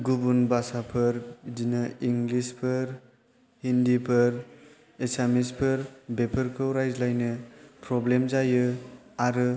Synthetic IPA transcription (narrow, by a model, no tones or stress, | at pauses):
ɡubunbasapʰɯɾdinɯiŋɡlispʰɯɾ | hindipʰɯɾ | esamispʰɯɾbepʰəɾkʰɯwɾajzlajnɯpɾɔblemzajɯaɾɯ